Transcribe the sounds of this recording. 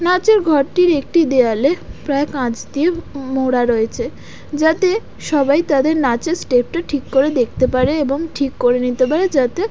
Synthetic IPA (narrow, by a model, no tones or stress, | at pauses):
nat͡ɕeɾɡʱɔɾʈiɾek̚ʈid̪ealepɾaekãt͡ɕd̪iemoɽaɾoet͡ɕʰe | d͡ʑat̪e | ʃɔbajt̪ad̪eɾnat͡ɕesʈep̚ʈaʈʰikːoɾed̪ek̚t̪epaɾeeboŋʈʰikːoɾenit̪epaɾed͡ʑat̪e